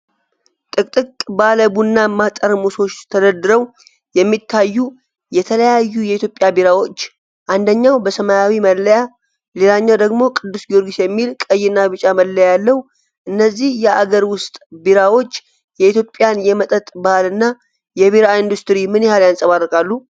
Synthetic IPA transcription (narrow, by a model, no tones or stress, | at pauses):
t̪ʼɨkʼt̪ʼɨkʼbaləbunːamat̪ʼəɾmuso̞t͡ʃt̪ʰəd̪əd̪ɨɾəw | jɛmːit̪ʰːajːu | jɛt̪ʰələjajːujɛit̪ʰjo̞pʼːjabiɾawo̞t͡ʃː | ʔand̪əɲːawbəsəmajawiməlːəja | lelaɲːawd̪əɡmo̞kʼɨd̪ːusɡio̞ɾɡisjɛmːilkʼəjːɪnːaβɨt͡ʃʼaməlːəjalːəwu | ʔɨnːəzːihjɛaɡəɾwʊst̪ʼbiɾawo̞t͡ʃː | jɛit̪ʰjo̞pʼːjanjɛmət̪ʼət̪ʼbalɨnːa | jɛβiɾaind̪ust̪ɨɾimɨnjɛhaljansʼəβarːəkʼalːu